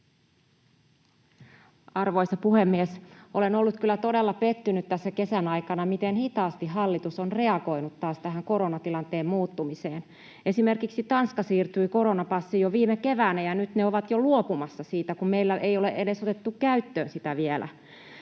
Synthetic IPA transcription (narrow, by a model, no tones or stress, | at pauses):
ɑrʋo̞jsɑpuhemːiesʔo̞le̞no̞lːut̪kylːæt̪o̞delːɑpe̞t̪ːynyt̪t̪æsːæke̞sænɑjkɑnɑmit̪enhit̪ɑːst̪iɦɑlːit̪usonre̞ɑɡo̞inut̪ːɑːst̪æɦæŋko̞ɾonɑt̪ilɑnt̪e̞ːmmuːt̪ːumiseːn | e̞sime̞rkiksit̪ɑnskɑsiːrt̪yiko̞ɾo̞nɑpɑsːijoʋiːmeke̞ʋæːnæjɑnyt̪neoʋɑt̪joluopumɑsːɑsiːt̪ækumme̞jlːæʔejo̞leʔe̞de̞sot̪e̞t̪ːukkæyt̪ːø̰ːnsit̪æʋielʔæ̰